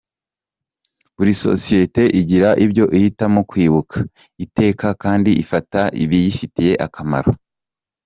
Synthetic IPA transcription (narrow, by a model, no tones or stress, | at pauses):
βuɾiso̞̰sije̞te̞ʔiɟiɾaʔibjo̞ʔihitamo̞kwiːβukʰḁ | ite̞ːkakaːndiʔifataʔḭβijifitije̞ʔakama̰ɾo